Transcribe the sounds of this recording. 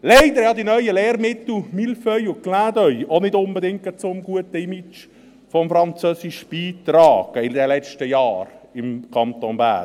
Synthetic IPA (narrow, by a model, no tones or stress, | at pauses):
lɛɪdəɾjɑdinœʏəleːɾmɪt̪l̩milfœjʊklaːdœʏonɪdʊnbədɪŋkət͡sʊmɡuətəimit͡ʃ | fɔmfɾɑnt͡søːsɪʃb̥iːt̪rɑːɡ̥əɪdɛlɛt͡ʃtəjɑːɾɪmkʰɑnt̪onbæ̰ː